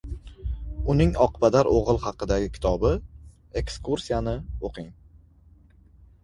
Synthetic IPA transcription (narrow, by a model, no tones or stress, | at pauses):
ʊnɪŋɒqbad̪aɾʔoʁɨlˠhɑqɨd̪aɡʲɪkʲʰɪ̥t̪ʰɒbɪ | e̞kskuɾsijanɪoqʰɪŋ